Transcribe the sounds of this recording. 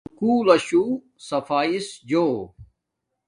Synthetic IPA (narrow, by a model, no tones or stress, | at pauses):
kuːlɐɕu | sɐfaːisd͡ʑoː